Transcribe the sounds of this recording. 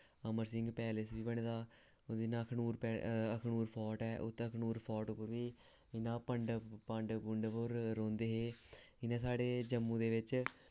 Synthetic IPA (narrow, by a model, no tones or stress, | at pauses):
əməɾsɪŋɡpɛːlɪsʋiːbəɳeːd̪aː | ɪnaːkʰnuːɾpɛːəkʰnuːɾpʰɔːʈɛːʔʊ̰t̪ːəkʰnuːɾpʰɔːʈʊpːəɾʋiː | ɪnãːpəɳɖpəɳɖbʊɳɖpəɾːõːnd̪eːɦeːɪnãːsaːɖeːd͡ʒəmːũːd̪eːʋɪt͡ʃ